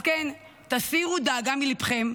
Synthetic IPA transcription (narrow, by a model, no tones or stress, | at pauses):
ken | t̪asiʁud̪aːɡamilipχem